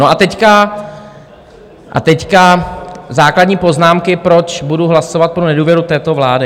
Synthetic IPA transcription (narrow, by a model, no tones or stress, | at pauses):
noʔat̪ɛcka | ʔa̰t̪ɛckazaːkladɲiːpo̞znaːmkɪpɾot͡ʃbuduɦlaso̞vat̪̚pɾonɛduːvjɛɾut̪ɛːt̪ovlaːdɪ